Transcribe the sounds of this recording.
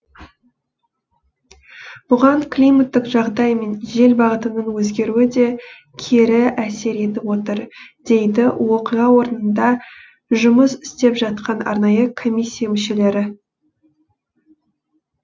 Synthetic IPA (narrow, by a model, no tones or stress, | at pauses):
b̥ʊʁɑŋkʰlʲijmat̪ːɪqʒɑʁd̪ɑjme̞nʒe̞lbɑʁət̪ənəɴwɵzɡʲe̞ɾuɪd̪e̞ | kʲʰeɾɪæse̞ɾe̞t̪ɪpwo̞t̪əɾd̪̥e̞jd̪ɪwo̞qijʁɑwo̞ɾənənd̪ɑ | ʒʊməsɪ̥st̪e̞pʒɑt̪̚qɑnɑ̰ɾnɑjəkʰo̞mʲijsʲːijamʏʃe̞le̞ɾɪ